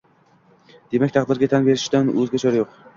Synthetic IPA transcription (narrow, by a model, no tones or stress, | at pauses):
d̪̥e̞mak̚ʲt̪ʰɑqd̪ɪɾɡʲat̪ʰanbe̞ɾɪʃd̪anɵzɡʲat͡ʃʰɒɾjoq